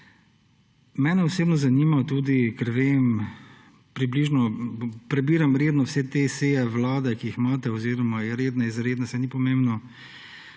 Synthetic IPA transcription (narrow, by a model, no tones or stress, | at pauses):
mɛːnɛɔseːbnɔzaniːmat̪uːd̪ikɛɾʋeːm | pɾibliːʒnɔpɾɛbiːɾamɾed̪nɔwsɛt̪esejɛʋlaːd̪ɛkiixmaːt̪ɛɔziɾɔmajɛɾeːd̪naizɾeːd̪nasɛnipɔmẽmbnɔ